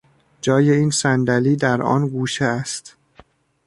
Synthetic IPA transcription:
d͡ʒɒːje̞iːnsænd̪æliːd̪æɾʔɒ̰ːnɡuːʃeæst̪

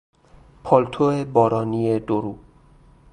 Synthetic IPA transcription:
pʰɒːlt̪ʰoebɒːɾɒːnied̪oɾuː

